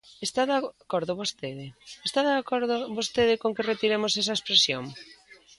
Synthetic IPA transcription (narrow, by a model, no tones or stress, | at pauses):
est̪aðkoɾðʊβost̪eðɪest̪aðakoɾðoβost̪eðɪkoŋkɪret̪iɾemosɛsɐespɾesjoŋ